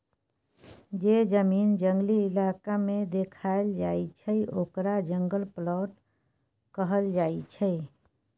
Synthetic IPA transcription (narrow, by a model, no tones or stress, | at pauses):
d͡ʒed͡ʒəmiːnd͡ʒəŋɡliːlakamed̪ekʰaeld͡ʒaet͡ʃʰəiokɾad͡ʒəŋɡəlplɔʈ | kəɦəld͡ʒait͡ʃʰə